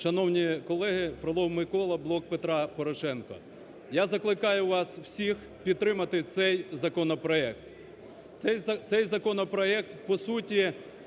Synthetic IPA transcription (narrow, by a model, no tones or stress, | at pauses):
ʃɐnɔwnʲikɔlˠɛɦɪfɾɐlˠɔmɪkɔlˠɐblˠɔk̚pet̪ɾɑpɔɾɔʃɛnkɔ̰ | jazɐklˠɪkɑjʊʋɑsw̥sʲix | pʲid̪̚t̪ɾɪmɐt̪ɪt̪sɛjzɐkɔnɔpɾɔɛkt̪ | ɛjzɐt̪sɛjzɐkɔnɔpɾɔɛkt̪pɔsutʲi